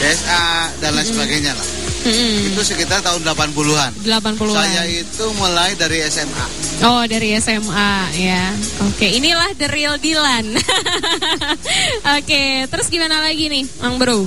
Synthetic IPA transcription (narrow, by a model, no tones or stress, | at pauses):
deɛsadanlasəbaɡajɲala̰h | mm̩it̪usəkit̪art̪aʊndəlapanpuluɦandəlapanpuluajait̪uməlaidaɾiɛsɛma̰ | odaɾiɛsɛmajaokeinilahdəɾildilan | ʔoket̪əɾʊsɡimanalaɡinɪhmaŋbəɾu